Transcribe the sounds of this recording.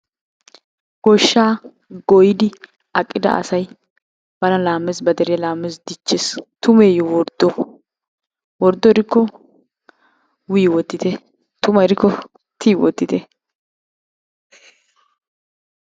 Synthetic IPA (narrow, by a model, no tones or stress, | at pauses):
ɡ̥ɔʃːaː | ɡɔjɪd̪ɪ | ɐkʼːɪd̪ɐ̰ɐ̰sɐj | b̥ɐnɐlaːmːɛsbɐd̪ɛɾɪjɐlaːmːes̬d̪ɪt͡ʃːest̪ʊmeːjɔwɔɾd̪̥ɔ | wɔɾd̪ːɔɾɪkːɔ | wɪːwɔt̪ːɪt̪ɛ | t̪ʊmɐɛɾɪkːɔ | t̪ʰiːwɔt̪ːɪt̪ɛ